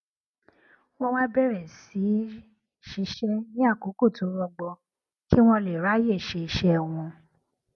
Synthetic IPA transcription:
w̃ɔ̃˧w̃ã˦bɛ˦˨ɾɛ˨si˨˦ | ʃi˧˦ʃɛ˦nĩ˦a˦˨ko˨˦ko˦˨to˨˦ɾɔ˧ɡ͡bɔ˧ | ki˦w̃ɔ̃˧le˨ɾa˨˦je˦˨ʃe˨˧i˧ʃɛ˦˧w̃ɔ̃˧

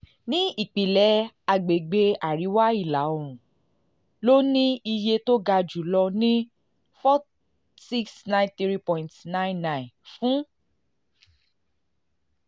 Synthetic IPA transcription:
nĩ˦i˦˨k͡pi˨lɛ˨˧˦ | a˨ɡ͡be˨ɡ͡be˧a˨ɾi˨˦wa˦i˦˨la˨˦o˨ɾ̃ũ˨ | lo˦nĩ˦i˧je˧to˦ɡa˧d͡ʒu˨lɔ˧nĩ˦ | fɔ˦ | si˦ksnã˦j̃nθɾi˦pɔ̃˧˨ĩ˨ntnã˦j̃nã˦˨fũ˦

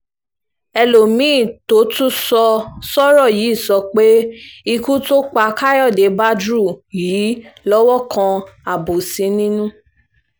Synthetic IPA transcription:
ɛ˧lo˨mĩ˨˦˨to˨˦tũ˦sɔ˧sɔ˦ɾɔ˦˨ji˨˦˨sɔ˧k͡pe˦i˧ku˦to˦k͡pa˧ka˦jɔ˦˨de˨˦ba˦dɾu˦˨jiː˨˦lɔ˦wɔ˦kʰã˧a˨bo˨sĩ˨˦nĩ˦nũ˦

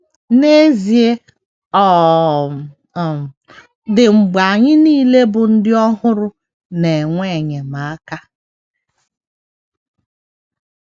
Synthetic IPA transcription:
ne˦zi˨e˦ | ɔ˨ | dɪ˨ŋ͡m̩˨ɡ͡ba˨ɲɪ˦niː˦le˦bʊ˨n̩˦dɪ˦ɔ˦ɦʊ˦ɾʊ˦ | ne˨ŋʷe˦˨ɲe˨ma˨a˦ka˦

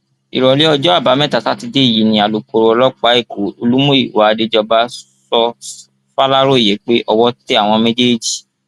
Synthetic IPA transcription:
ḭ˨ɾɔ˨li˨˦ɔ˧d͡ʒɔ˦a˦˨ba˨˦mɛ̃˦˨ta˨ta˨˦ti˧de˦i˦˨ji˨˦nĩ˦a˧lu˨k͡po˨˧ɾo˧ɔ˧lɔ˦k͡pa˨˦e˦˨ko˨˦o˧lu˦mũ˦i˦˨wa˨˦˧de˧˦d͡ʒɔ˧ba˦ | sɔ˧ | fa˦la˦ɾo˦i˦˨je˨˦k͡pe˦ʔɔ˧wɔ˦te˦a˦˨w̃ɔ̃˧me˦d͡ʒe˦˨d͡ʒi˨

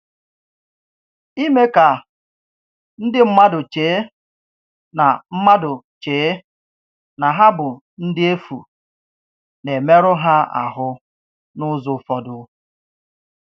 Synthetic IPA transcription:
i˦me˦ka˨ | n̩˦dɪ˦m̩˦ma˦dʊ˨t͡ʃeː˨˦ | na˨m̩˦ma˦dʊ˨ | t͡ʃeː˨˦ | na˨ɦa˦bʊ˨ | n̩˦dɪ˦e˦fṵ˨ | ne˨me˦ɾʊ˦ɦa˦a̰˨ɦʊ˦ | nʊ˦zʊ˨˦fɔ˦dʊ˦

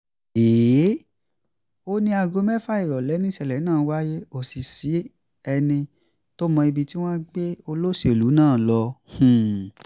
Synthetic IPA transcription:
eː˨˦˨ | o˦nĩ˦a˧ɡo˧mɛ˦fa˦i˦˨ɾɔ˨lɛ˨˦nĩ˦sɛ˦˨lɛ˨˦nãː˦˨˦wa˦je˦o˦˨si˨si˨˦ | ɛ˧nĩ˧ | to˦mɔ̃˧i˧bi˧ti˦w̃ɔ̃˦ɡ͡be˦o˧lo˦se˨lu˨˦nãː˦˨lɔ˧hũ˨

